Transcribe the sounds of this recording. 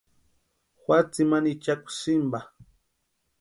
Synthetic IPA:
xwat͡simanit͡ʃakʊ̥sɪmba

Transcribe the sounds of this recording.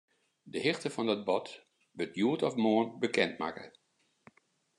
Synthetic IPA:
dəhɪxtəfɔndɔt̚bɔt | ʋətjuətɔfmoːənbəkʰɛntma̰kə̰

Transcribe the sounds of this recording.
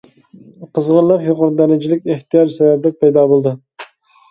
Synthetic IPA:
qʰəzʁəɾlˠəqjoqʊɾd̪æɾɪd͡ʒilɪkʲeht̪ʰijɑd͡ʒsɛvɛbd̪ɛk̚ʲpʰɛjd̪ɑːbolˠd̪ɨ

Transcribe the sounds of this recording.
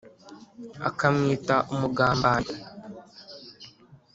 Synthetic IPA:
a̰kamŋiːtaʔumuɡaːmbaːɲi

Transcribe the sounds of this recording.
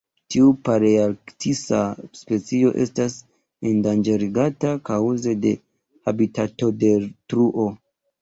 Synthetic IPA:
tiupaɾeaktisaspe̞t͡sio̞̰ʔe̞̰stas | endand͡ʒeɾiɡatakawze̞de̞ | habitato̞de̞tɾuʔo̞

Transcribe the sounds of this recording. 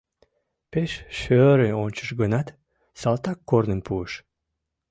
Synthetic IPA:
peʃʃøːɾeont͡ʃɨʃɡənat̪ | sɑlˠt̪akːoɾnɨmpʰuʃ

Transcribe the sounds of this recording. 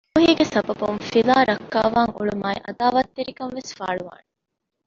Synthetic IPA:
uɦiːɡesɐbɐbunfilaːɾɐkːaːʋaːŋuɭumaːiʔɐd̪aːʋɐt̪ːiɾikɐnʋesfaːɭuʋa̰ːne

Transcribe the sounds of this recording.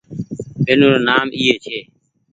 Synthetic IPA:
ɓenuːɾoːnaːmʔiːeːt͡ʃʰeː

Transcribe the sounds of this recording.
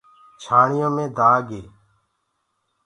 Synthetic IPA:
t͡ʃʰaːɳɪjõːmẽːd̪ʱaːɡeː

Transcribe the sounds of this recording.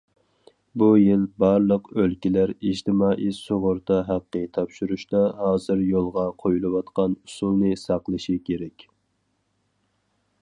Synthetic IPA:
bujilbɑɾlˠəqølkʲilæɾid͡ʒt̪ʰɪmɑːʔisoʁʊɾt̪ɑɦæqːət̪ʰɑpʃuɾuʃt̪ɑɦɑːzɨɾjolˠʁɑqʰojulˠɨwɑt̪qɑnusulˠnɨsɑqlˠɨʃikʲʰeɾɛkʲ

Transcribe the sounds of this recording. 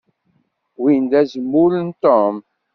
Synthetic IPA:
wind̪æzəmːʊɾənt̪om

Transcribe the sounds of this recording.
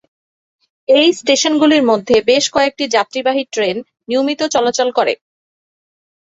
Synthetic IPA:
ejsʈeʃonɡuliɾmod̪ʱːebeʃkɔek̚ʈid͡ʑat̪ːɾibaɦiʈɾenː | iomit̪ot͡ɕɔlot͡ɕolkoɾḛ

